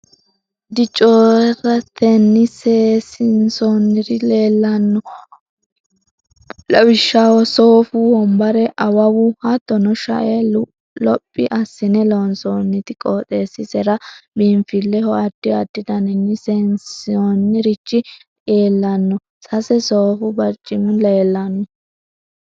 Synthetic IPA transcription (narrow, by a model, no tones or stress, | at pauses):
d̪ɪt͡ʃʼoːɾɛrɐt̪ʰɛnːɪsesɪnsonːɪɾɪleːlːɐnːɔ | lɐwɪʃːɐwɔsoːfuhɔmbɐɾɛʔɐwɐwʊhɐt̪ːɔnɔʃɐ̰ʔe | lɔpʼːɪʔɐsːɪnɛlɔnsoːnːɪt̪ɪkʼoːt̪ʼeːsːɪsɛɾɐbinfɪlːɛhɔɐd̪̥ːɪɐd̪ːɪd̪ɐnɪnːɪsɛnsonːɪɾɪt͡ʃʼːɪ | ʔeːlːɐnːɔ | sɐsɛsoːfʊbɐɾt͡ʃʼːɪmʊleːlːɐnɔ